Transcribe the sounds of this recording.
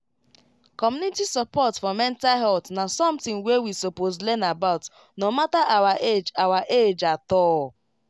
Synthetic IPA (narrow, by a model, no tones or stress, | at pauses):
kɔmjunitisɔpɔtfɔmɛ̃ntalɦɛltnasɔ̃mtĩŋwewisopozlɛnabaʊt | nomataʔawaʔed͡ʒawaʔed͡ʒatɔ